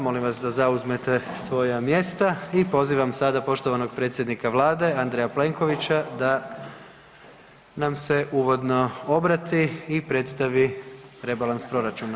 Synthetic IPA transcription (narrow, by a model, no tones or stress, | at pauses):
mo̞limʋasd̪azauzme̞t̪e̞sʋo̞jamje̞st̪aipo̞ziːʋamsad̪apo̞ʃt̪o̞ʋano̞ɡ̥pɾe̞ːt̪sʲje̞d̪nikaʋlˠaːd̪e̞and̪ɾejaple̞ŋko̞ʋit͡ɕad̪a | namse̞ʔuːʋo̞d̪no̞o̞bɾat̪iːpɾe̞t̪st̪aʋiɾe̞balˠanspɾo̞ɾat͡ʃuna